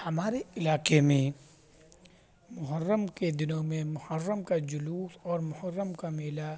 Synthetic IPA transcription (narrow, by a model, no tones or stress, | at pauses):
hɐmaːɾeɪlaːqemẽ | mʊɦəɾːəmked̪ɪnõmẽmʊhəɾːəmkad͡ʒʊluːsɔːɾmʊhəɾːəmkameːla